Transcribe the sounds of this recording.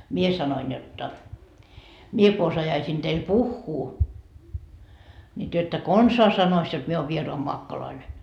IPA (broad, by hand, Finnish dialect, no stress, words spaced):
mie sɑnoin jotːɑ mie ko osɑjɑisiːn teil puhːuː nʲi tyø etːæ konsɑː sɑnois jot mie oːʋ ʋieroɑmoɑkːoloine